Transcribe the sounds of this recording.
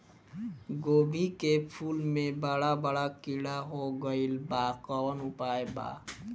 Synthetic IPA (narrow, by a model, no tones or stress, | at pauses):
ɡobʱikepʰulmebəɽabəɽakiɽaɦoɡəilbakəənupaeba̰